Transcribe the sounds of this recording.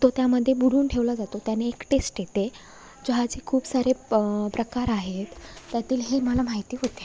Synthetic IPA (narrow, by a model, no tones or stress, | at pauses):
t̪ot̪jaməd̪ʱːjebuɽ̤uːnʈʰeʋlad͡zat̪ot̪janːeːkʈesʈjet̪e | d͡ʑoɦat͡ɕikʰuːpsaɾepɾəkaɾaɦet̪ːjat̪iːlɦeməlam̤aɦjt̪iːɦot̪e